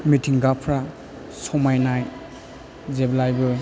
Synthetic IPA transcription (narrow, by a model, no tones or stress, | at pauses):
mitʰiŋɡapʰɾa | sɔmajnaj | zeblajbɯ